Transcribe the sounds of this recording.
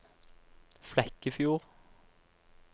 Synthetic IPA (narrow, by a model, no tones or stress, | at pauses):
flɛkəfjuːʁ